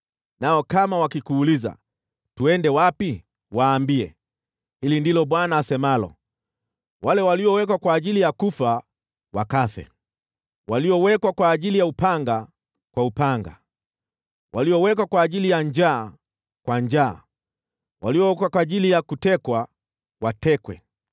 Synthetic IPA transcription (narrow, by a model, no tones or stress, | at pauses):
naɔkamawakikuːliza̰ | tuɛndɛwapi | waːmbiɛ | hilindilɔɓwanaːsɛmalɔ̰ | walɛwaliɔwɛkwakwaːʄilijakufa | wakafɛ̰ | waliɔwɛkwakwaːʄilijaupaŋɡa | kwaupaŋɡa̰ | waliɔwɛkwakwaːʄilijaɲd͡ʒaː | kwaɲd͡ʒa̰ː | wʔaliɔwɛkwakwaːʄilijakutɛkwa | watɛkwɛ̰